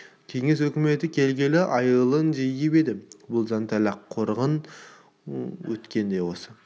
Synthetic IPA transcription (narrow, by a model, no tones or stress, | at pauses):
kʲʰe̞ŋe̞s̬wɵkʲɪme̞t̪ɪkʲʰe̞lɡʲelɪʔɑjəlˠənʒijɪpe̞d̪ɪbʊlˠzant̪ʰalɑqʰːo̞ɾʁən | wɵt̪kʲe̞nd̪e̞jwo̞sə